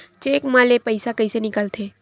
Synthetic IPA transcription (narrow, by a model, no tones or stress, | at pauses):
t͡ʃeːkmãlepəɪsakəisenɪkəlt̪ʰeː